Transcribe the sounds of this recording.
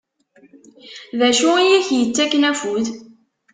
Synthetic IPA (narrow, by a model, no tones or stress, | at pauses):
ðæʃʊijiçjət͡sːækːnæfuð